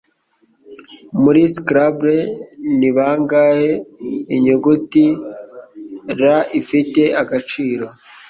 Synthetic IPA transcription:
muɾiskɾabɾeniβaːŋɡaheiɲuɡuti | ɾaifite̞ʔaɡat͡ʃiːɾo̞

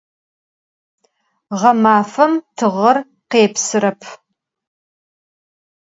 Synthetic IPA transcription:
ʁɐmaːfɐmtʰɨʁɐr | qeːpsɨɾɐpʰ

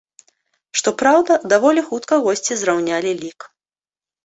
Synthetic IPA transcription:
ʂt̪ɔpɾawd̪ɐd̪avɔlʲixut̪kɐɣɔsʲt͡sʲizrawnʲalʲilʲik

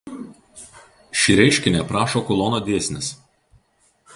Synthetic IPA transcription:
ʃʲiɾʲɛɪʃʲkʲɪnʲɛˑpɾɑːʃoːkʊlˠɔːnoːd̪ʲeːsʲnʲɪs

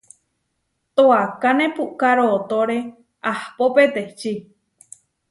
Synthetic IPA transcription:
t̪oakanẽpukaɾoːt̪oɾe | ahpopet̪eht͡ʃi

